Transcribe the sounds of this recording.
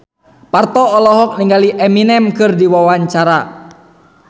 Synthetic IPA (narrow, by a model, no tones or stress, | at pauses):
part̪ɔːlɔɦɔk̚niŋɡaliʔɛminɛmkɨrdiwawaɲt͡ʃaɾa